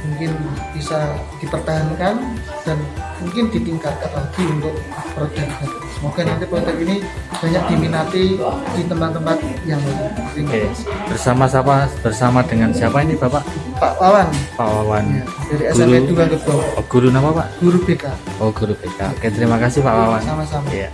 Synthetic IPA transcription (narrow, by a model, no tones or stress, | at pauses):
muŋkɪnb̥isad̥ipərt̪aɦankan | d̥anmuŋkɪndit̪iŋkat̪̚kat̪aɦad̥iunt̪ʊk̚ | pɾod̥ak̚ɡat̪asəmoɡ̥anaint̪ipɾod̪ɛkinib̥aɲak̚d̥iminat̪idit̪əmpat̪ːəmpat̪̚jaŋɾimaajb̥ərsamasapab̥ərsamadəŋansiapainibapaʔpaʔwawanpa̰ʔwawanjad̥aɾiɛsuɾed̪uɡaŋɡəbuaɔɡ̥uɾunapapa̰ʔɡ̥uɾub̥ekaʔɔɡuɾub̥eka̰kajaʔt̪əɾimakasɪhpaʔwawannsamasamaja